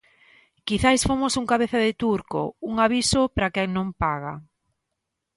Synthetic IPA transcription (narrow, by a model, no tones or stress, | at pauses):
kiθajsfomosuŋkaβeθaðɪt̪uɾko̰uŋaβisopɾakɛŋnõmpaɣa̰